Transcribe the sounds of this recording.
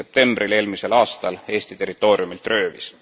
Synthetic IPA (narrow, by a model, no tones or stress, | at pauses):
e̞p̚t̪e̞mbrile̞ːlmise̞lɑːst̪ɑle̞ːst̪it̪e̞ɾit̪ːˑo̞ːɾiumilt̪rø̞ːvḭs